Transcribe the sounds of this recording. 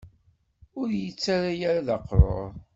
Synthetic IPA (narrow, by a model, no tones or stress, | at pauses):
ʊɾjət͡sːaɾajaɾaðɑqːɾˤo̰ɾˤ